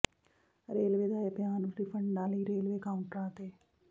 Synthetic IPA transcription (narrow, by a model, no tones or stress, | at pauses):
ɾeːlʋeːd̪aːepɪjaːnɾipʰəɳɖãːliːɾeːlʋeːkaːʊɳʈɾãːt̪eː